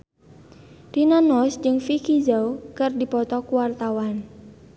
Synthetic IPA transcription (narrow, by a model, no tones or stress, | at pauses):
rinanɔsd͡ʒɨŋfikid͡ʒawkɨrdipɔt̪ɔkuwart̪awan